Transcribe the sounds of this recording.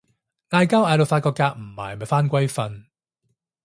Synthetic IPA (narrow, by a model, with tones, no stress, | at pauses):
ŋaː˧jkaː˥wʔaː˧jlo˨˧wfaː˧t̚kɔː˧kːaː˧k̚m̩˨˩ma̰ː˨˩jmɐ˨jfaː˥nkʷɐ˥jfɐ˧n